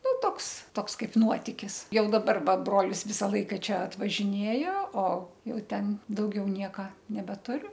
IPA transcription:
ˈnʊ ˈtoːks ˈtoːks ˈkɐɪp ˈnuɔtʲɪkʲɪs ˈjɛʊ dɐˈbɐr ˈʋɐ ˈbroːlʲɪs ˈʋʲɪsɐ ˈlˠɐɪkɐ ˈt͡ʃʲɛ ɐtʋɐʒʲɪˈnʲeːjoː oː ˈjɛʊ ˈtʲɛn dɐʊˈɡʲɛʊ ˈnʲiɛkɐ nʲɛbʲɛˈtʊrʲʊ

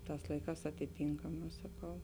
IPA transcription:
ˈtɑːs ˈlˠɐɪˌkɑːs ɐtʲɪˈtʲiːŋkɐmɑː sɐˈkɐʊ

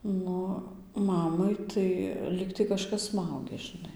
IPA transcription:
ˈnʊ ˈmɑːmɐɪ tɐɪ ˈlʲiːktɐɪ kɐˈʃkɐs ˈsmɐʊɡʲɛ ʒʲɪˈnɐɪ

